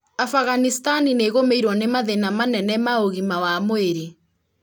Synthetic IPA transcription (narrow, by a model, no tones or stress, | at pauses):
afaɣanistanineɣomeiɾwɔnemaðenamanɛnɛmaoɣimawamoeɾi